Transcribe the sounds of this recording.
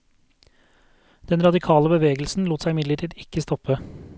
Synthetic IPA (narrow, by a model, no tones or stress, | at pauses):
d̪̥ɛnɾɑd̪ɪkʰɑːləbəʋeːɡəl̩sn̩luːt̪sæɪɪmɪd̪ləʈʰiːd̪ɪkəst̪ɔpə